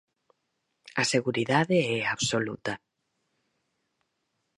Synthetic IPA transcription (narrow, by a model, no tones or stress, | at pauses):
ɐseɣuɾiðaðeɛaβsolut̪ɐ